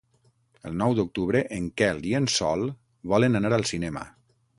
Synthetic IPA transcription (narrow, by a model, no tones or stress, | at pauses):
əlˠnɔwd̪uk̚t̪uβɾəʔəŋkɛlˠiənsɔ̰lˠ | βɔlənanaɾəlˠsinɛmə̰